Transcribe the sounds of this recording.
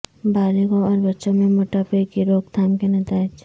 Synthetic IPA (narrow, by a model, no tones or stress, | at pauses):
baːliɡoɔːɾbɐtːʃõmẽmoːʈapeːkiɾoːɡ̚t̪ʰaːmkenɐt̪aːɪd͡ʒ